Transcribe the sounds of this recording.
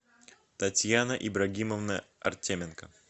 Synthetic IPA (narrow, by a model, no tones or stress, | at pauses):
t̪ɐtʲjanəʔibɾɐɡʲiməvnəɐ̰rtʲemʲɪnkə